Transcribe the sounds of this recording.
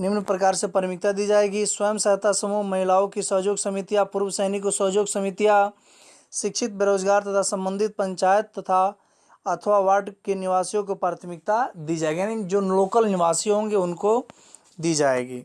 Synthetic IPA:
nɪmnpɾək̬aːɾsepəɾmɪk̚t̪ad̪iːd͡ʒaːeɡiswəjəmsəɦt̪asəmuːɦmɐɦɪlaːõkisəɦd͡ʒoːɡsɐmit̪ijapuɾwəsɛɦnikosəɦd͡ʒoːɡsəmit̪ija | ʃɪkʃʰɪt̪̚beɾoːd͡ʒɡaːɾt̪ɐt̪ʰasə̃mbə̃nd̪ʱɪt̪̚pə̃ɲt͡ʃaːjət̪ːɐt̪ʰa | ɐt̪ʰʋaʋaːʈkenɪʋaːsijõk̬opɾaːt̪ʰəmɪk̚t̪ad̪iːd͡ʒaːeɡiand͡ʒoːloːkəlnɪʋaːsijõɦõːŋɡeʊnko | d̪iːd͡ʒaːḛːɡḭː

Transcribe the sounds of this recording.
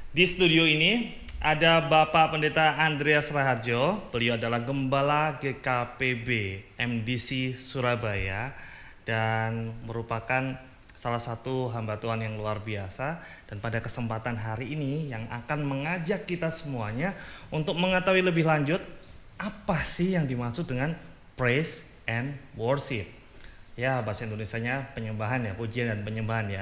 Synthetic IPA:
disə̥t̪udioini | ʔadabapaʔpəndet̪aːndɾeasɾaɦard͡ʒobəlioadalahɡəmbalaɡekapebeɛmdisisuɾabaja | d̥anməɾupakan | salahsat̪uɦambat̪uanjaŋluarbiasa | d̥anpadakəsəmpat̪anɦaɾiːnijaŋa̰kanməŋad͡ʒakːit̪asəmuaɲaunt̪ʊk̚məŋət̪awiləbɪhlaɲd͡ʒʊt̪̚ʔapasɪhjaŋdimasʊk̚dəŋan | pɾes | ʔɛnwɔrʃɪp̚ | jabasaindonesiaɲapəɲəmbaɦanjapod͡ʒiandanpəɲəmbaɦanja

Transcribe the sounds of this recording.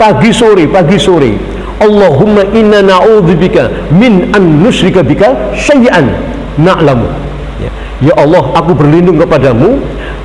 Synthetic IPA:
paɡisoɾepaɡisoɾḛ | ʔɑlːɑɦʊmːaʔɪnːanaʕud̪ubika | mɪnʔanːʊʃɾɪkabikaʃajʔanː | aʔlamṵ | ja̰ | jaʔɑlːɑɦakubərlindʊŋkəpadamu

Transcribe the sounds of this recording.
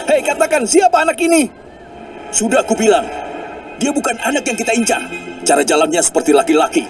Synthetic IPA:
hejkat̪akansiapaɦanakini | sudahkubilaŋdiabukananakjaŋkit̪aiɲt͡ʃa̰ht͡ʃaɾad͡ʒalanɲasə̥pərt̪ilakilaki

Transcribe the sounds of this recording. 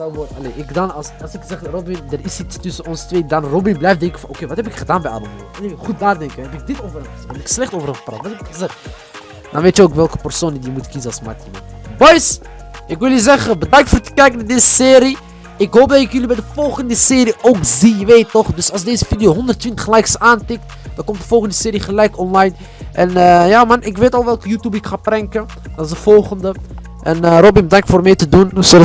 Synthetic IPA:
dɑnʋɔɑleːnɪkdɑnɑsɑlˠsɪkzɛχrobɪndərɪsitstʏsənɔnsətʋeːdɑnrobɪnblɛjfdɛŋkənfɑnʔokejʋɑtɦɛpɪkχədaːnbɛjʔɑ̰ləmo̰ːnɪχut̚naːrdɛŋkənɦɛpɪk̚dɪtoːvərənχəsiɛpɪkslɛχtowvərχəpra̰ːtʋɑtɦɛpɪkχəzɛχt | dɑnʋeːtjəoːkʋɛlˠkə̥pərsoːndidiəmutkizənɑlˠsma̰timə̰ | bɔjs | ʔɪkʋɪlˠjəzɛχəbədɑŋk̚tfʊːrtə̥kɛjkənadeːzəsɪːɾi | ɪkɦowp̚dɑtɪkjəlibɛjdəfɔlˠχəndəsɪːɾiʔoːkziʋeːtːɔχdɵsɑlˠsdeːzəfidijoːɦɔndərtʋɪntə̥χlɛjksaːntɪk̚t | d̥ɑ̃nkɔmt̚dəfɔlˠχəndəsɪːɾiχəlɛjkɔnlajn | ʔɛnjaːmɑnɪkʋeːtɑlˠʋɛlˠkəjuːtjubɪkχaːprɛŋkə | dɑnɪsdəfɔlˠχəndə | ʔɛnrɔbɪmbədɑŋktfoːrmɛjtədunso

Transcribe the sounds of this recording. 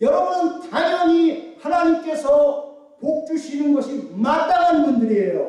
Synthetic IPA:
jʌɾʌbunɯnt͡ɕaɲʌɲihanaɲimk͈e̞sʰʌ | pok̚t͡ɕ͈uɕʰinɯnɡʌɕʰimat͈aŋɦanɯnbundɯɾiejo̰

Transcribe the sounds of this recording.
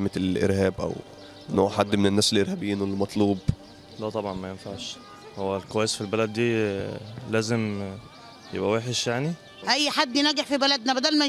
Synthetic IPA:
melʔḛɾhæːbʔæ̰w | nːoːʕʕħad̪ːmenenːæːselʔeɾhæbiːnwelːmɑt̪ˤluːb | læt̪ˤɑbʕɑnmæjenfaʕʃ | howːælkowæːjesfilbælæd̪ːiː | læːzem | jḛbʔæweːħeʃjaʕni | ʔæjːħad̪ːjnæɡeħfibælæd̪næbæd̪æːlmæ

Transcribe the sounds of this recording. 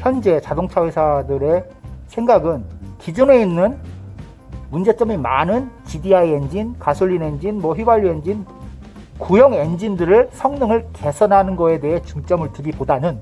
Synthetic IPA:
çjʌnd͡ʑe̞t͡ɕadoŋt͡ɕʰawesʰadɯɾe̞ | sʰeŋɡaɡɯnkid͡ʑune̞inːɯn | mund͡ʑe̞t͡ɕ͈ʌmimanɯnt͡ɕidiaiend͡ʑinkasʰuɭʎːine̞nd͡ʑinmwʌɸɥibaɭːue̞nd͡ʑin | kujʌŋe̞nd͡ʑindɯɾɯɭsʰʌŋnɯŋɯɭke̞sʰʌnɦanɯnɡʌe̞de̞ɦet͡ɕuŋt͡ɕ͈ʌmɯɭtɯbipodanɯn

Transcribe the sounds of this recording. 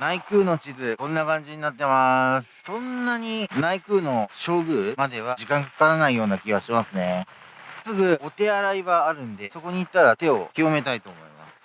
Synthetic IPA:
naikɯ̟ːno̞t͡ɕizɨkõ̞nːakãɲ̟d͡ʑiɲ̟inat̪ːe̞masɨ̥sõ̞nːaɲ̟inaikɯ̟ːno̞ɕo̞ːɡɯ̟ːmad̪e̞β̞ad͡ʑikãŋkḁkaɾanaijo̞ːnakʲiɡβaɕimasɨne̞ | sɨɡɯ̟o̞t̪e̞aɾaiβaːɾɯ̟̃nd̪e̞so̞ko̞ɲ̟iːt̪ːaɾat̪e̞o̞̰kʲijo̞me̞t̪ait̪o̞ːmo̞̰ḭma̰sɨ̥

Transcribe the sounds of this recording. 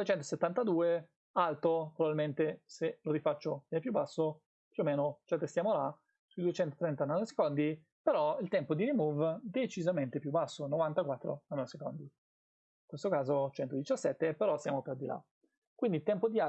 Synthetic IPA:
et͡ʃɛnt̪oset̪ːant̪ad̪uːe | alt̪opɾovabilment̪eseloɾifat͡ʃːoɛnepjubːasːo | pjuoːmeːnot͡ʃɛt̪ːest̪jaːmola | suid̪uet͡ʃɛnt̪o̥t̪ɾɛnt̪anase̥kond̪i | peɾɔilt̪ɛmpod̪iɾimuvd̪et͡ʃizament̪epjubːasːonovant̪akwat̪ːɾo̰anoaseko̰nd̪i | iŋkwest̪okaːzot͡ʃɛnt̪od̪it͡ʃasːɛt̪ːepeɾɔsjaːmoperd̪ila̰ | kwind̪ilt̪ɛmpod̪ia

